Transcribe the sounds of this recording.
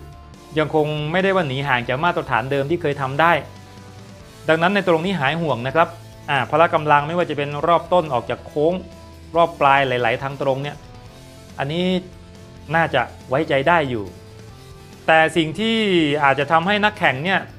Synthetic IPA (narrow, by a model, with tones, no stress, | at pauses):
ja˧ŋkʰo˧ŋma˥˩jda˥˩jwaː˥˩niː˩˦ɦaː˨˩ŋt͡ɕaː˨˩k̚maː˥˩t̪ːa˧˩t̪ʰaː˩˦ndɤː˧mt̪ʰiː˥˩kʰɤː˧jt̪ʰa˧mdaː˥˩j | da˧ŋna˦˥nːa˧jt̪ɾo˧ŋniː˦˥ɦaː˩˦jɦu˨˩əŋna˦˥kʰa˦˥p̚ | ʔaː˧˩pʰaː˧la˦˥ka˧mla˧ŋma˥˩jwaː˥˩t͡ɕa˨˩pe˧nɾɔː˥˩p̚t̪o˥˩nʔɔː˨˩k̚t͡ɕaː˨˩kʰoː˦˥ŋ | ɾɔː˥˩pːlaː˧jla˨˦jla˩˦jt̪ʰaː˧ŋt̪ɾo˧ŋni˥˩ɐ | ʔa˧nːiː˦˥ | naː˥˩t͡ɕa̰˨˩ʔ | wa˦˥jt͡ɕa˧jdaː˥˩jːuː˨˩ | t̪ɛː˨˩si˨˩ŋt̪ʰiː˥˩ʔaː˨˩t̪̚t͡ɕa˨˩t̪ʰa˧mha˥˩jna˦˥kʰːɛ˨˩ŋni˥˩ɐ